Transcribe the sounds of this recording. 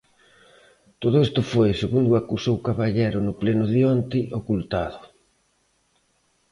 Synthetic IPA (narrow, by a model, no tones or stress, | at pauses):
t̪oð̞ʊest̪ʊfojseɣund̪ʊakusowkaβaʎɛɾʊnʊplɛnʊðiɔnt̪ɪʔokult̪aðʊ